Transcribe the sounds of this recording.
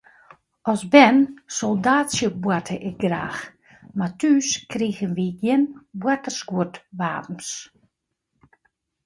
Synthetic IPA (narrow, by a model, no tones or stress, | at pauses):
ɔsbɛnsɔlˠdaːsjəbwatʰəʔɛɡra̰ːx | matyːskriːɣənʋiɡjɪnbwatərsɡuətʋa̰ːpn̩s